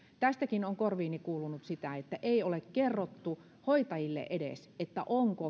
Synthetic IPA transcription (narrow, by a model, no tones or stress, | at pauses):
t̪æst̪ækinoŋkorʋiːnikuːlunut̪sit̪æet̪ːæʔeˑiolekkerːot̪ːu | hoit̪ɑjilːḛʔedḛset̪ːæʔoŋko